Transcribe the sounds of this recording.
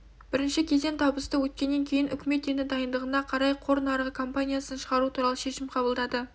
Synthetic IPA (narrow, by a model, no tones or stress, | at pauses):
b̥ɪɾɪnʃɪkʲʰe̞ze̞nt̪ʰɑbəst̪əwɵt̪̚kʲe̞nːe̞ŋkʲʰejɪnʏkʲɪme̞t̪enɪd̪ɑjənd̪əʁənɑqʰɑɾɑjqʰo̞ɾənɑɾʁəkʰompanʲijasənʃəʁɑɾut̪ʰuɾɑlˠəʃe̞ʃɪmqʰɑbəlˠd̪ɑd̪ə